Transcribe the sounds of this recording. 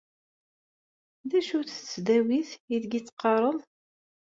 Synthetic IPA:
ðæʃuθət͡sːd̪æwiθjiðɡit͡sːqːɑɾˤəðˤ

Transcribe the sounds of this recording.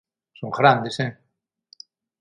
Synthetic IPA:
soŋɣɾand̪ese

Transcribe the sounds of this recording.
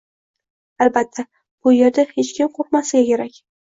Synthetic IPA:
albat̪ʰːa | b̥ʊje̞ɾd̪ahe̞t͡ʃkʲʰɪmqʰoq̚masɪɡʲakʲʰe̞ɾakʲ

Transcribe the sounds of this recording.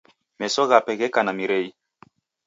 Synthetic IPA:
mɛsɔɣapɛɣɛkanamiɾɛi

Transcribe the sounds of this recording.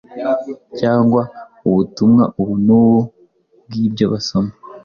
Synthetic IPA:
caːŋɡwa | uβutumŋaʔuβunuːwo | bɡiːbjoβasoma

